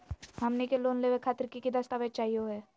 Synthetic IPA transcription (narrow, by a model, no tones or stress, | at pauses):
hɐmnekeloːnleːʋekʰaːt̪əɾkikid̪ɐst̪aːʋet͡ʃaːɦioɦɛː